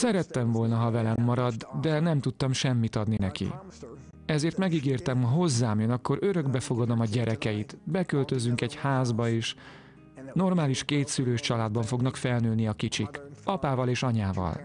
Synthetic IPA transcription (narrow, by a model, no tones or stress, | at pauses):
sɛɾɛt̪ːɛɱvo̞lnɒɦɒvɛlɛmːɒɾɒd̪d̪ɛnɛmt̪ut̪ːɒmʃɛmːit̪ɒd̪ninɛkḭ | ɛzeːrt̪mɛɡiɡeːrt̪ɛmhoɦo̞zːaːmjønɒkːo̞ɾøɾø̞ɡbɛfo̞ɡɒd̪o̞mɒɟɛɾɛkɛjit̪bɛkølt̪ø̞zːyŋkɛɟhaːzbɒeːʃ | no̞rmaːliʃkeːt̪syløːʃt͡ʃɒlaːd̪̚bɒɱfo̞ɡnɒkfɛlnyːlniɒkit͡ʃikɒpaːvɒleːʃɒɲaːvɒ̰l